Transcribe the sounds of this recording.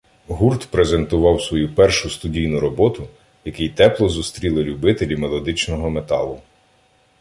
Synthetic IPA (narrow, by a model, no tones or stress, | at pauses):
ɦurt̪pɾeze̞nt̪ʊʋɑwsʋɔjupɛrʃʊst̪ʊdʲijnʊɾɔbɔt̪ʊ | jɐkɪjt̪ɛplˠɔzʊst̪ɾʲilˠɪlʲʊbɪt̪elʲimelˠɔd̪ɪt͡ʃnɔɦɔmet̪ɑlˠʊ